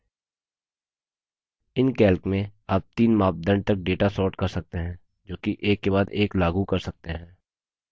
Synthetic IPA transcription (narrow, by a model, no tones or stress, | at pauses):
ɪnkɛːlkmẽaːp̚t̪iːnmaːp̚d̪ə̃ɳɖ̚t̪ɐk̚ɖeːʈasɔːɾʈkɐɾsɐk̚t̪eɦɛ̃ː | d͡ʒoːkiʔeːkːebaːd̪eːklaːɡukɐɾsɐk̚t̪eɦɛ̃ː